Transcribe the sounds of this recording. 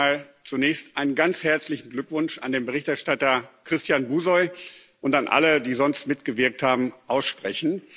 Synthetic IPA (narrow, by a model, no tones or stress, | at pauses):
aːlt͡sunɛːçstʔaɪnənɡant͡shɛɐt͡slɪçn̩ɡlʏkv̥ʊnʃa̰ndeːnbəʁɪçtɛɐʃtatɐkʁ̥ɪstjaːnbuːzɔʏ | ʔʊntanʔa̰lədiːzɔnstmɪtɡ̥əvɪɐk̚thaːbm̩ʔaʊsʃpʁ̥ɛçn̩